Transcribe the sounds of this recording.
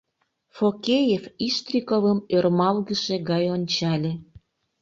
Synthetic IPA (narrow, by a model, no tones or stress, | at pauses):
fokʲejefiʃt̪rʲikovəmørmɑlɣəʃeɣɑjonʲt͡ɕɑlʲĕ